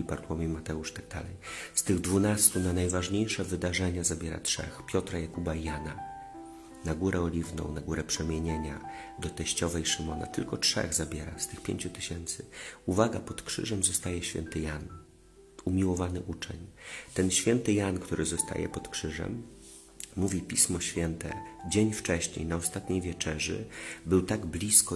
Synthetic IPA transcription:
ipaɾt̪wɔmʲimat̪ɛuʂt̪aɡ̚d̪a̰lɛ̰jst̪ɘɣd̪vunast̪unanajvaʐɲejʂɛvɘd̪aʐɛɲazabʲjɛɾa̰tʂɛ̰xpʲjɔt̪ɾajakubaijana | naɡuɾɛɔlʲivnɔ̰w̃naɡuɾɛpʂɛmʲjeɲeɲad̪ɔt̪ɛɕt͡ɕɔvɛjʂɘmɔna̰t̪ɘlkɔtʂɛ̰ɣzabʲjɛɾa̰st̪ɘxpʲjḛɲt͡ɕut̪ɘ̥ɕɛnt̪sɘuvaɡapɔt̪kʂɘ̰ʐɛmzɔst̪ajɛɕfʲjɛ̰nt̪ɘjan | umʲiwɔvanɘʔut͡ʂɛɲt̪ɛnɕfʲjɛnt̪ɘjankt̪uɾɘzɔst̪a̰jɛ̰pɔt̪kʂɘʐɛ̰mː | uvʲipʲismɔɕfʲjɛnt̪ɛ̰d͡ʑeɲft͡ʂɛɕɲḛjnaɔst̪at̪ɲejvʲjɛt͡ʂɛʐɘ̰bɘwt̪aɡblʲiskɔ

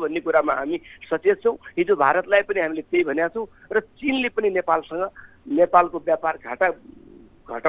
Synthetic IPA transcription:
bʱʌnːekuɾamaɦamisʌt͡set̪̚t͡sʰʌ̃w̃ɦid͡zobʱaɾʌt̪lajpʌniɦamilet̪ejbʱʌnjat͡sʰʌ̃w̃ | rʌt͡sinlepʌninepalsʌŋɡʌnepalkobjaparɡʱaʈa | ɡʱʌʈa

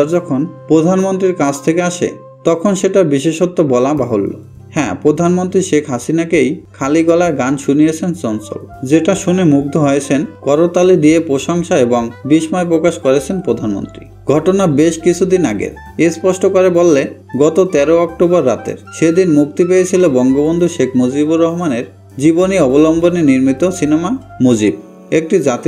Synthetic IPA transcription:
d͡ʑɔkʰonpɾod̪ʱanmont̪ɾiɾkad͡ʑt̪ʰekeaʃḛ | t̪ɔkʰonʃeʈaɾbiʃeʃot̪ːobɔlabaɦolːo̰ | hɛ̃pɾod̪ʱanmont̪ɾiʃekʰɦasinakejkʰaliɡɔlaɾɡanʃunijet͡ɕʰent͡ɕɔnso̰ld͡ʑeʈaʃunemuɡ̚d̪ʱoɦojet͡ɕʰenkɔɾot̪alid̪ijepɾoʃoŋʃaeboŋbiʃmaepɾokaʃkoɾet͡ɕʰenpɾod̪ʱanmo̰nt̪ɾḭ | ɡʱɔʈonabeʃkit͡ɕʰud̪inaɡḛ | espɔʃʈokoɾebolːe | ɡɔt̪ot̪ɛɾoɔk̚ʈobɔɾːat̪ḛɾʃed̪inmuk̚t̪ipejet͡ɕʰilobɔŋɡobond̪ʱuʃekʰmod͡ʑibuɾːɔɦomaneɾ | d͡ʑiboniɔbolɔmboneniɾmit̪osinema | mod͡ʑib̚ | ek̚ʈid͡ʑat̪

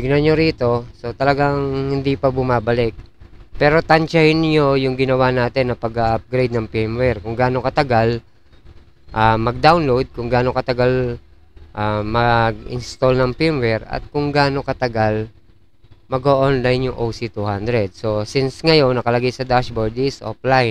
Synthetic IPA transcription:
ɪɡnanɲoɾiːt̪o̞so̞t̪ɐlɐɡaŋhɪnd̪ipɐbʊmaːbɐlɪk̚pɛːɾo̞t̪ɐnt͡ʃahɪnɲo̞jʊŋɡɪnɐwaːnaːt̪ɛnːɐpɐɡaʔɐp̚ɡɾejd̪nɐŋpɛmwɛɹkʊŋɡaːno̞kɐt̪ɐɡal | ʔamɐɡ̚d̪awnlowd̪̚kʊŋɡaːno̞kɐt̪ɐɡal | ʔamɐɡɪ̰nst̪o̞lnɐŋpɪmwɛɾɐ̰t̪̚kʊŋɡaːno̞kɐt̪ɐɡal | mɐɡoʔonlajnjʊŋʔowsit̪uhand̪ɾɛd̪̚so̞sɪnsŋɐjo̞nːɐkɐlɐɡajsɐd̪aʃboɹd̪sʔo̰plaj

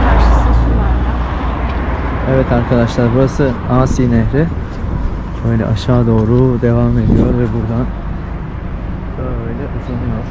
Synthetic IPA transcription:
kʰaɾʃasasɯnlˠaɾd̪a | evɛt̪ʰaɾkʰad̪aʃlˠaɾbuɾasɯaːsiːneɦɾɛ | øjlʲɛ̰ʔaʃaːd̪o̞ːɾud̪e̞vame̞d̪ijo̞ɾvɛbuɾd̪an | bøjlʲɛʔɯzanɯjo̞ɾ̥

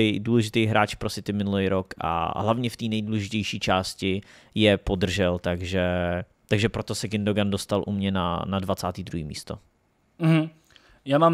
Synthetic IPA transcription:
ɛjduːlɛʒɪt̪ɛjɦɾaːt͡ʃpɾosɪt̪ɪmɪnulɛjɾokʔa̰ɦlavɲɛft̪iːnɛjduːlɛʒɪcɛjʃiːt͡ʃaːscɪ | jɛpo̞d̪r̩ʒɛlt̪aɡʒɛt̪aɡʒɛpɾot̪osɛɡɪndoɡandost̪alʔṵmɲɛna̰nadvat͡saːt̪iːd̪ɾuɦiːmḭːst̪o̞̰ | m̩ɦ̩ | jaːmaːm

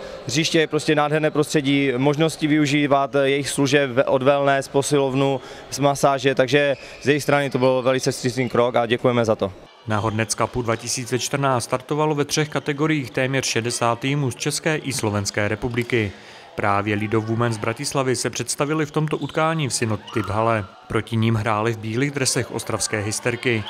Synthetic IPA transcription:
riːʃcɛjɛpɾoscɛnaːdɦɛɾnɛːpɾost̪r̥ɛɟiːmoʒnoscɪvɪuʒiːvat̪jɛjɪxsluʒɛpʔodvɛlnɛːsposɪlovnu | smasaːʒɛt̪aɡʒɛ | zjɛjɪxst̪ɾanɪt̪obɪlvɛlɪt͡sɛst̪ɾɪsniːkɾokaɟɛkujɛmɛzat̪o̞ | naɦo̞dnɛt̪skapudvacɪsiːt͡sɛt͡ʃt̪r̩naːt̪aɾt̪o̞valo̞vɛt̪r̝̥ɛxkat̪ɛɡo̞ɾɪjiːxt̪ɛːmɲɛr̝̥ʃɛdɛsaːt̪ːiːmuːst͡ʃɛskɛːʔɪslo̞vɛnskɛːɾɛpublɪkɪ | pɾʔaːvjɛlɪdo̞vvumɛnzbɾacɪslavɪsɛpr̝̥ɛt̪st̪avɪlɪft̪o̞mt̪o̞ʔut̪kaːɲiːfsɪnut̪ɪbɦalɛ | pɾo̞cɪɲimɦɾaːlɪvbiːliːɣd̪ɾɛsɛxʔo̞̰st̪ɾafskɛːɦɪst̪ɛɾkɪ

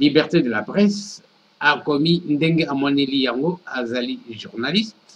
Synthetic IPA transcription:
libɛʁt̪ed̪əlapʁɛs | akɔmindeŋɡeamwanelijaŋɡoazaliʒuʁnalism

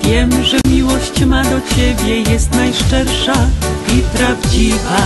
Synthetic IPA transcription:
vʲjɛmʐɛmʲiwɔɕt͡ɕmad̪ɔt͡ɕebʲjɛjɛst̪najʂt͡ʂɛɾʂaipɾavd͡ʑiva

